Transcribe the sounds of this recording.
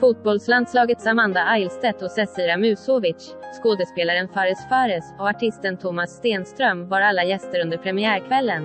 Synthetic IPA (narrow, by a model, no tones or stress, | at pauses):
fut̪̚bɔlsland̪slɑːɡət̪samand̪aʔajlst̪ɛt̪ɔsɛsiːɾamʉ̟ːsoːvɪʃ | skoːd̪əspeːlaɾənfaɾɛsfaɾəsɔaʈʰɪst̪ənt̪ʰʊmasːt̪eːnst̪ɾœmvaɾalːajɛst̪əɾɵnd̪əɾpʰɾɛmɪæːɾkʰvɛlːən